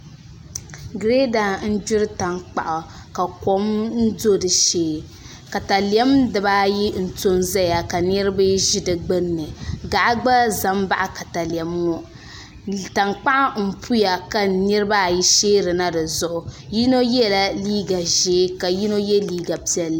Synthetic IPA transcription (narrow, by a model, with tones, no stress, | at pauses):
ɡɾe˦da˨n̩˦d͡ʒʊ˦ɾɨ˦ta˨ŋk͡pa̰˨ʔʊ˨ | ka˨ko˦mn̩˦do˦dɨ˨ʃeː˦ | ka˨ta˨li˨ɛ˦mdɨ˨ba˦ji˦n̩˨to˦nza˦ja˨ka˨nɨ˦ɾɨ˦bɨ˦ʒi˦dɨ˨ɡ͡bɨ˦nːɨ˨ɡa˨ʔa˦ɡ͡ba˦za˨˦m˦ba˦ʔa˦ka˨ta˨li˨ɛ˨mːɔ˦ | ta˨ŋk͡pa˦ʔa˦m̩˨pʰu˦ja˨ka˨nɨ˦ɾɨ˦ba˦˨ji˦ʃeː˦ɾɨ˨na˦dɨ˨zʊ˨ʔʊ˨ | ji˦no˦jɛ˦˨la˦liː˦ɡa˨ʒeː˨˦ka˨ji˦no˦jɛ˦liː˦ɡa˨pi˦ɛ˦lː